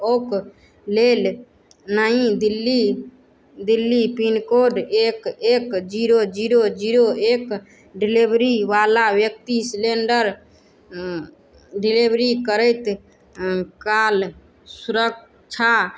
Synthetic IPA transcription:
ok | lel | naĩd̪ilːi | d̪ilːipinkoɖekekd͡ʒiɾod͡ʒiɾod͡ʒiɾoek | ɖilibɾiʋalabjək̚t̪isleɳɖəɾ | ɖilibʱɾikəɾəɪt̪ | kal | suɾək̚ | t͡ʃʰa

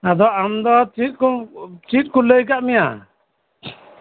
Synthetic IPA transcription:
ad̪ɔamd̪ɔt͡ʃit̚kɔt͡ʃit̚kuləjk̬aʔmija

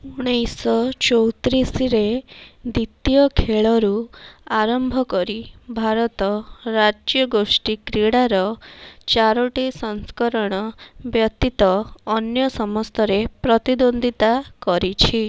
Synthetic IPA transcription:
uɽ̃ejsɔt͡ʃɔwt̪ɾisɾed̪it̪jɔkʰeɭɔɾuaɾɔmbʱɔkɔɾibʱaɾɔt̪ɔɾad͡ʒjɔɡosʈikɾiɽaɾɔt͡ʃaɾɔʈisɔŋskɔɾɔɽ̃ɔbjɔt̪it̪ɔːnjɔsɔmɔst̪ʰɔɾepɾɔt̪id̪ond̪ʱit̪akɔɾit͡ʃʰi

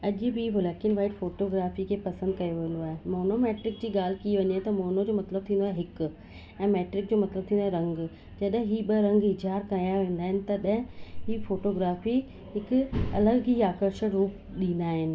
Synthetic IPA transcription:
ɐʄbibʱʊlakɪnʋaːɪʈfoːʈoːɡɾaːfikʰeːpɐsə̃nd̪̚kɐjoʋɐ̃n̆d̪oaːɦemoːnomeːʈɾɪk̚d͡ʑiːɡaːl̤ɪkiʋɐɲat̪ɐmoːnod͡ʑoːmɐt̪ləbt̪ʰĩnd̪oaːɦeɦɪk | ɛ̃ːmɛːʈɾɪk̚d͡ʑoːmɐt̪ləb̚t̪ʰĩnd̪aːeɾɐ̃ŋɡ | d͡ʑɐɗɦɪ̃ɦiːɓɐɾɐ̃ŋɡɪd͡ʑʱaːɾkajaʋẽːnd̪aːɦɪnɪ̆t̪ɐɗɦɪ̃ɦiːfoːʈoːɡɾaːfi | ɦɪkɐ̰ləɡiːaːkəɾʃəɽɾuːp | ɗĩːnd̪aːɦɪnɪ̆

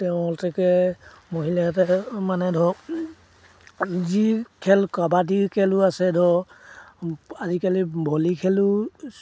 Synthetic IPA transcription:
tɛʊ̃ɔltʰɛkɛ | moɦilatɛmanɛdʱɔ | zikʰɛlkabadikʰɛlʊasɛdʱɔ | azikalibʱɔlikʰɛlʊ

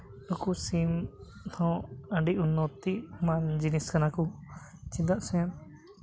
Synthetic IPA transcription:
ɔkusim | t̪ʰɔ̃əɳɖiʔunːɔt̪iʔmand͡ʒiniskanaku | t͡ʃid̪aʔsɛ̃

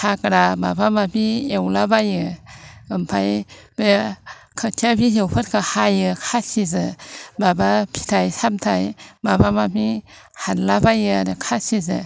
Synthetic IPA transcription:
hakɾaba̰bamapiewlabajɯɯmpʰajbe | kʰətʰabiɦewpʰɯt̚kʰahajɯkʰatsizɯbabapʰi̥tʰajsamtʰajbabamamʰi | hanlabajɯadɯkʰasizɯ̰

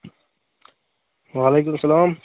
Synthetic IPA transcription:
ʋaːleːkʊmɐsɐlaːm

